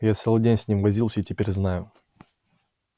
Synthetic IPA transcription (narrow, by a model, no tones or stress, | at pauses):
jat̪sɛlˠdʲenʲsʲnʲimvɐzʲilˠsʲəitʲɪpʲeɾʲznajʊ